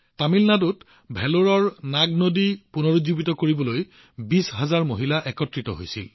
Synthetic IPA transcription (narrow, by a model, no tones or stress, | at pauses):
tamilnadut | bʱɛloɹɔɹnaɡ̚nodipunoɹuzubitɔkoɹibɔloj | bisɦazaɹmoɦilaʔɛkɔtɹitɔ̰ɦojsḭl